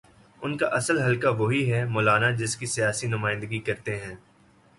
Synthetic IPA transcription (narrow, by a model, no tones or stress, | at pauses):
ʊnka̰ʔɐsəlɦɐlkaʋoɦiɦɛmɔːlaːnad͡ʒɪskisijaːsinʊmaːɪ̃nd̪əɡikɐɾt̪eɦɛ̃ː